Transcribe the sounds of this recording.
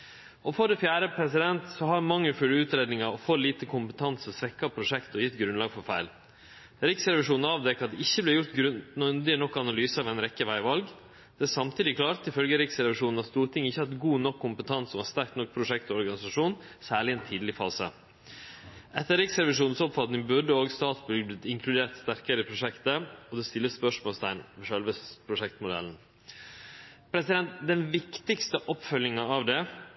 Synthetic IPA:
ɔfɔɾd̪ɛfjæːɾəpʰɾɛsɪd̪ɛnt̪sɔhɑʋmɑŋːəfʉlːəʉːt̪ɾeːd̪nɪŋɑɔfɔɾliːt̪əkʰʊmpət̪ʰɑnsɔsʋɛkːɑpʰɾʊʂɛkt̪ɔjɪt̪ːɡɾʉnlɑːɡfɔɾfæɪl | ɾɪksɾɛʋɪʂuːnn̩ɑːʋd̪ɛkɑt̪̚d̪ɛɪçːəblɪjʊɾt̪ɡɾʉnnd̪ɪənɔkːɑnɑlyːsəɑʋɛɪnɾɛkːəʋæɪʋɑlɡ | d̪̥ɛæsɑmt̪ʰiːd̪ɪklɑːɾt̪ɪfœlɡəɾɪksɾɛʋɪʂuːnn̩ɑst̪uːɾʈ̪ʰɪŋɪçːəhɑt̪ɡuːnɔkʰːʊmpət̪ʰɑnsɔmɑst̪æɾk̚t̪nɔk̚ːpʰɾʊʂɛkt̪ɔɔɾɡɑnɪsɑʂuːn | sæːɭɪɛːnt̪ʰiːd̪lɪfɑːsə̰ | ʔɛt̪ːəɾɪksɾɛʋɪʂuːnn̩sɔpfɑt̪nɪŋbʉɖəoːɡst̪ɑːt̪sbʏɡb̪ɪt̪ɪŋkʰlʉd̪eːɾt̪st̪æɾkəɾəɪpʰɾʊʂɛkt̪əɔd̪ɛst̪ɪlːəsspœʂmoːlst̪æɪnʋʂœlʋəpʰɾʊʂɛkt̪mʊd̪ɛ̰ln̩ | pʰɾɛsɪd̪ɛnt̪d̪ɛnʋɪkt̪ɪkst̪əʔɔpfœlːɪŋɑɑʋd̪ɛ

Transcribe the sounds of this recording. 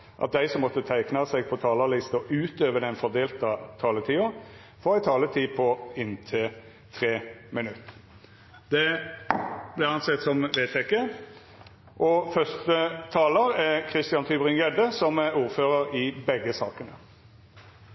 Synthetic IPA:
ʔɑ̰t̪̚d̪æɪsɔmːɔt̪ːət̪ʰæɪknɑsɛɡ̚pʰɔt̪ʰɑːləlɪst̪ɔʉːt̪øːʋəd̪ɛnfɔd̪eːlt̪ɑt̪ʰɑːlət̪ʰiːʊ | fɔʁæɪt̪ʰɑːlət̪ʰiːpʰɔɪnt̪ʰɪ | t̪ʰʁeːmɪnʉt̪ː | d̪ɛ | blɛɑnsɛt̪ːsɔmʋeːt̪ʰɛkːə | ʔɔfœst̪ət̪ʰɑːləʁɛkʰʁɪst̪ɪɑnt̪ʰyːbʁɪŋɡɛd̪əsɔmɛuːʁføːʁəɾɪbɛɡːəsɑːkənə

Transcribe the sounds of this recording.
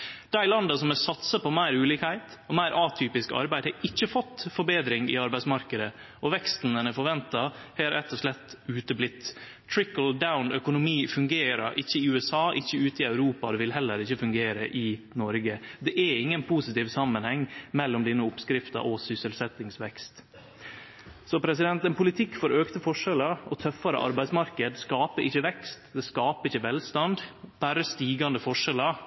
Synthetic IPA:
d̪̥æɪlɑnd̪ɑsɔmɛsɑt̪səpɔmæɪɾʉːliːkhæɪt̪ | ɔmæɪɾʔɑːt̪ʰyːpɪskɑ̰ɾbæɪd̪hɑɪçːəfɔt̪ːfɔɾbeːd̪ɾɪŋɪ̰ɑɾbæɪsmɑɾkəd̪ə | ɔʋɛkst̪n̩ɛnɛfɔɾʋɛnt̪ɑhɛɾɾɛt̪ːɔʂɭɛt̪ːʉːt̪əblɪt̪ː | t̪ʰɹɪkəld̪aʊnœkʊnʊmiːfʉŋɡeːɾə̰ɾʔɪçːəɪʉːɛsɑːʔɪçːəʉːt̪əɪɑʉɾuːpɑd̪ɛʋɪlɦɛlːəɾɪçːəfʉŋɡeːɾəʔɪ | nɔɾɡəd̪ɛʔɛɪŋːənpʰusɪt̪ɪːʋsɑmːənhɛŋːmɛlːɔmd̪iːnəʊpskɾɪft̪ɑ̰ʔɔsʏsəlsɛt̪ːɪŋsʋɛkst̪ | sɔpʰɾɛsɪd̪ɛnt̪ənpʊlɪt̪ʰɪkːfɔɾøːkt̪əfɔʂɛləɔt̪ʰœfɑɾə̰ʔɑ̰ɾbæɪsmɑɾkəd̪skɑːpəɾʔɪçːəʋɛkst̪d̪ɛskɑːpəɪçːəʋɛlst̪ɑnd̪b̥æɾəst̪iːɡɑnd̪əfɔʂɛlɑ

